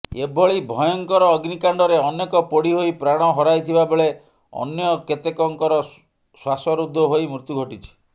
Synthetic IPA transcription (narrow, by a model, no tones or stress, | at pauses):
ebʱɔɭibʱɔjɔŋkɔɾɔːɡnikaɳɖɔɾeɔnekɔpɔɽiɦoipɾaɽ̃ɔɦɔɾajt̪ʰibabeɭe | ɔ̰njɔket̪ekɔŋkɔɾɔ | swasɔɾud̪ʱːɔɦojmɾut̪uɡʱɔʈit͡ʃʰi̥